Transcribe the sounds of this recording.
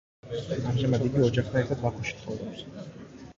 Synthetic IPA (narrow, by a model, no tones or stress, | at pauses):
amʒɛmad̪iɡiɔd͡ʒaχt̪ʰanɛɾt̪ʰad̪vak̪ʰuʃi̥t̪ʰχʰɔvd̪a